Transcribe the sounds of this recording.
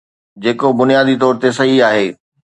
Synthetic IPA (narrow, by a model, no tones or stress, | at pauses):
d͡ʑeːkobʊnijaːd̪it̪ɔːɾt̪esɐɦiaːɦeː